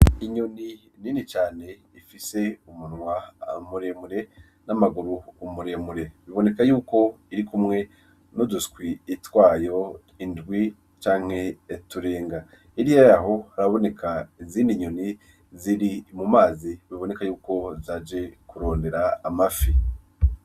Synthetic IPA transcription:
iɲo̞ni | ninit͡ʃaːne̞ | ifise̞umunŋwamuɾe̞ːmuɾe̞ | namaɡuɾuːmuɾe̞muɾe̞βiβo̞ne̞kajuːko̞ | iɾikumŋe̞ | noduskwiːtwaːjo̞ | indɡwi | t͡ʃaːŋ̥he̞ːtuɾe̞ːŋɡa | iɾijajaɦo̞aɾaβo̞ne̞kʰaiziːndiɲuni | ziɾimumaːziβiβo̞nekajuːko̞zaːd͡ʒe̞kuɾo̞ːnde̞ɾaːmafi

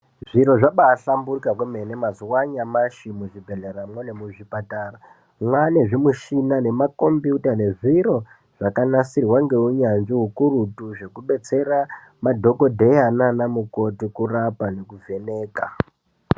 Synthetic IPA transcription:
ʐiɾo̞ʐaɓaːɬamburukakwemenemazuwaɲamaʃimuʐibʱeɮeɾamwenemuʐipataːra | mwane̞ʐimuʃinane̞mako̞mbiutane̞ʐiɾo̞ | ʐ̥akanasirwaŋɡe̞uɲanʐiɦukuɾutuʐe̞kuɓe̞t͡se̞ɾa | madʱo̞ko̞dʱe̞jananamuko̞tikurapane̞kuvʱe̞ne̞ːka

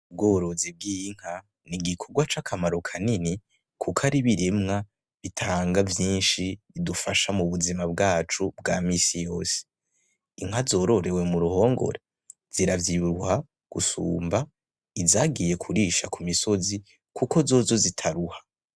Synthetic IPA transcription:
ub̚ɡoːɾozib̚ɡiŋ̥ha | niɡikʰo̞ɡwat͡ʃakʰamaɾo̞kʰanini | kʰukʰaɾiβiɾemŋa | βitʰaːŋɡavjiːnʃi | idufaʃamuβuzimab̚ɡaːt͡ʃubɡaːmisijo̞ːse̥ | iŋ̥hazo̞ːɾo̞ɾe̞we̞muɾuho̞ːŋɡo̞̰ɾe | z̥iɾavjiβuɾuha | ɡ̥usṵːmba | izaːɡije̞kʰuɾiʃakʰumiso̞zi | kʰuko̞zo̞ːzo̞zitʰaɾuhḁ

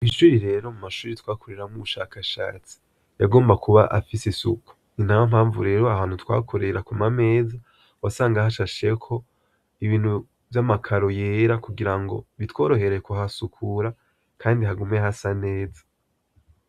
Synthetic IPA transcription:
inʃuːɾiɾe̞ɾo̞mumaʃuːɾitwaːkuɾeɾamuβuʃaːkaʃa̰ːt͡si̥ | jaɡo̞ːmbakuβaʔa̰fisisuku̥ | inawam̥haːɱvṵɾe̞ːɾoahaːnhutwa̰ːkʰo̞ɾe̞ɾakumame̞ːza | wasaːŋɡahaʃaʃe̞kʰo̞ | iβiːn̥hu | vjamakʰaɾo̞jeːɾakuɡiɾaŋɡo̞̰βitwo̞ːɾo̞ɦe̞ɾe̞koɦasukʰuɾa | kʰaːndiɦaɡumehasane̞ːza

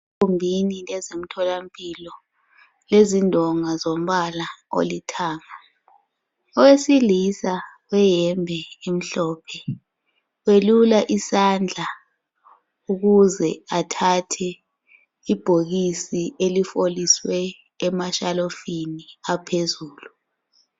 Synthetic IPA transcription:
umbʱinilɛzem̩tʰɔlampʼilɔ | lezindʱɔŋazom̩ɓalao̰litʰaːma | ɔwesilisa | wɛjɛmbʱɛim̩ɬɔːpʰɛ | welulaʔisand͡ɮʱa | uk̬uzɛatʰatʰɛ | ib̥ʱoɣ̬isielifoliswɛː | maʃalofiniapʰezuːlu

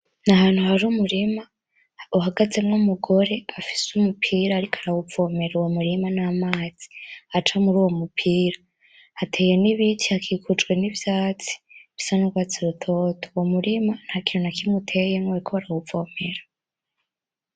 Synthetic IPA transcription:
nahaːn̥huhaɾumuɾima | uɦaɡaze̞mŋumuɡo̞ɾe̞afi̥sumupʰiːɾaːɾikʰḁɾawufo̞me̞ɾuwomuɾimanamaːz̥i̥at͡ʃamuɾuːwo̞mupʰiːɾa | hatʰe̞ːje̞niβitʰihakʰiːkʰut͡ʃɡwe̞nivjaːt͡si̥βi̥sanuɡwaːt͡siɾutʰo̞tʰowo̞muɾiman̥haːkinonakimutʰe̞jemoeikʰoaɾawupfo̞ːme̞ɾḁ

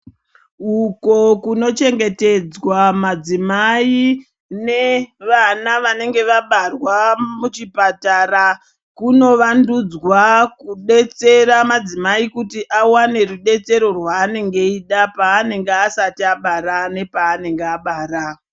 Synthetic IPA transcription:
uko̞kuno̞t͡ʃe̞ŋɡe̞te̞d͡zwamad͡zimai | ne̞ʋanaʋane̞ŋɡe̞ʋaɓarwamut͡ʃipataɾa | kuno̞ʋandud͡zwakuɗe̞t͡se̞ɾamad͡zimaikutiʔawane̞ruɗe̞t͡se̞ɾo̞rwaːne̞ŋɡe̞iɗapaːne̞ŋɡeasatiaɓaɾane̞paːne̞ŋɡeaɓaːɾa

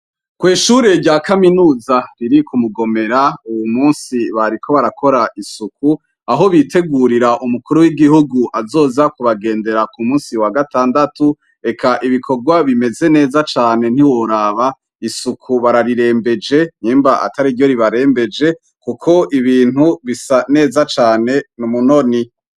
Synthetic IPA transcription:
kwiːʃuɾe̞ɾɟaːkaminuːzaɾiɾikumuɡo̞me̞ɾauwumuːnsiβaɾikʰo̞βaɾakʰo̞ɾaʔisuku | aɦo̞βite̞ɡuɾiɾaʔumukuɾuwiɡihuɡuʔazo̞ːzakuβaɡe̞ːnde̞ɾakumuːnsiwaɡataːndatu | e̞kʰaʔiβikʰo̞ɡwaβime̞ze̞ne̞ːzat͡ʃaːne̞n̥hiwo̞ɾaβa | isukʰuβaɾaɾiɾe̞ːmbe̞d͡ʒe̞ɲiːmbaʔa̰taɾidjo̞ɾiβaɾe̞ːmbe̞d͡ʒe̞ | kukʰo̞ʔiβiːnhuβisane̞ːzat͡ʃaːne̞numuno̞ni

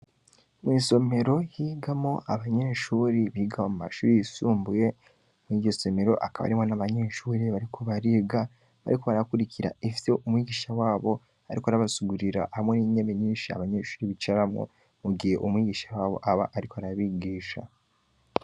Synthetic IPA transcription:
mwiːso̞me̞ɾo̞jiːɡamo̞ʔaβaɲe̞ʃuːɾiβiɡawamuma̰ʃuːɾijisuːmbuje̞ | muiːɟo̞so̞me̞ɾo̞̰ʔa̰kaβa̰ɾimo̞naβaɲe̞ʃuːɾiβaɾikʰo̞βaɾiːɡa | βa̰ɾiko̞βaɾakuɾiciɾa̰ifiseʔumwiːɡiːʃawaːβo̞ | aɾikoaɾaβasuɡuɾiɾa̰ʔhamweniɲeβeɲiːnʃia̰βaɲe̞ːʃu̥ːɾiβit͡ʃaɾamŋo̰ | muɡihe̞ʔumwiːɡiːʃawaːβo̞̰ʔaβa̰ʔaɾikoaɾaβiɡiːʃa̰

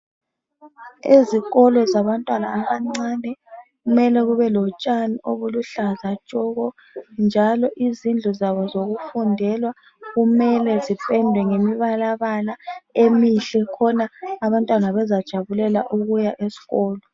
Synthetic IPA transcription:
eziɣɔlɔzaβantʼwanaːβaŋ͡ǀaːnɛ | ɣumɛlɛɣuβɛlɔt͡ʃʼaniʔoβuluɬazat͡ʃʼɔɣɔ | nd͡ʒʱalɔʔizind͡ɮʱɔzaβɔzoɣufundʱɛlwa | ɣumɛlɛzipʼɛndʱwɛŋemiβalaβalaemiɬɛkʰɔnaːβantʼwanaβɛzad̥ʒ̥ʱaβulɛlaʔuɣujaʔesi̥ɣɔːlɔ

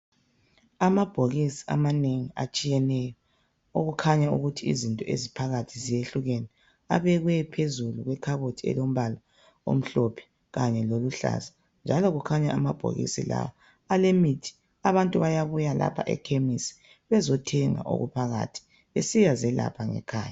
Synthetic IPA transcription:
amab̥ʱoɣisi̥amaneŋia̰t͡ʃʼijɛnɛjɔ | oɣukʰaɲauɣutʰiḭzintʼɔʔezipʰaɣatʰizijeɬuɣɛnɛ | a̰βɛɣwɛpʰezuluɣwɛkʰaβotʰiɛ̰lom̩βala | o̰m̩ɬopʰɛ̥ | ɣaɲɛloluɬa̰za | nd͡ʒʱaloɣukʰaɲaamab̥ʱo̰ɣḭsḭla̰wa | alemitʰi̥ | aβantʼuβajaβujala̰pʰa̰ʔɛ̰kʰemisi̥ | βɛzɔtʰɛŋa̰ʔo̰ɣṵpʰaɣa̰tʰi̥ | βesijazɛla̰pʰaŋɛ̰kʰa̰ːja

